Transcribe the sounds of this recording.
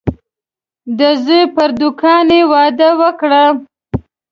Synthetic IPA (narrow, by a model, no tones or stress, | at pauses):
d̪əzujpəɾd̪ʊkɑnewɑd̪əwəkɽa